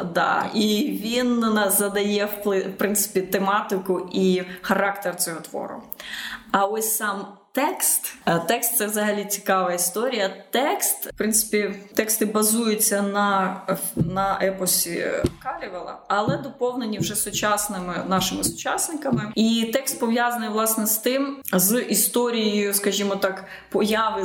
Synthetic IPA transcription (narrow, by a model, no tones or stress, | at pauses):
d̪ɑ̰iʋʲinɐzɐd̪ɐjɛwp̪ˠɪpɾɪnt̪sɪ̥pʲit̪emɑt̪ɪkʊʔixɐɾɑkt̪ersʲɪɦɔt̪ʋɔ̰ɾʊ̰ | ɐɔsʲsɑmt̪ɛkst̪t̪ɛkst̪sɛʋzɐɦɐlʲit͡sʲi̥kɑʋɐist̪ɔɾʲijɐt̪ɛkst̪pɾɪntsɪ̥pʲit̪ɛkst̪ɪbɐzujʊt͡sʲːɐnɐ | nɐʔɛpɔsʲḭkɑlʲiʋɐlˠɐ̰ɐlˠɛd̪ɔpɔwnenʲiwʒɛsʊt͡ʃɑsnɪmɪnɑʃɪmɪsʊ̥t͡ʃɑsnɪkɐmɪit̪ɛkst̪̚pɔʋjazɐnɪjʋlˠɑsnɛst̪ɪmzʔist̪ɔɾʲijjʊskɐʒʲimɔt̪ɑk | pɔjɑʋɪ